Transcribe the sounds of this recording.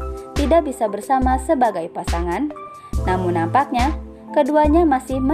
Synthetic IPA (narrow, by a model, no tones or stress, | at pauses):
t̪idak̚bisabərsamasəbaɡajpasaŋanː | amuŋnːampak̚ɲa | kəduaɲamasɪhmə